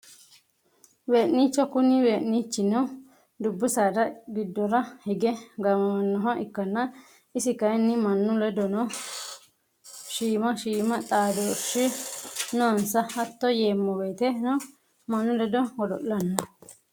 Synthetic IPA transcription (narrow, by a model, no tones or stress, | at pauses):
weːʔniːt͡ʃːɔkʊnːɪweːʔnit͡ʃːɪnɔ | d̪ʊbːʊsɐɾɐɡɪd̪ːɔɾɐhɛɡɛɡɐmɐmɐnːɔɦɐʔɪkːɐnːɐ | ɪsɪkɐɪnːɪmɐnːʊlɛd̪ɔnɔ | ʃiːmɐʃiːmɐt̪ʼaːd̪oːʃɪnonsɐhɐt̪ːɔjeːmːɔweːt̪ɛnɔ | mɐnːʊlɛd̪ɔwɔd̪ɔ̰ʔlɐnːɐ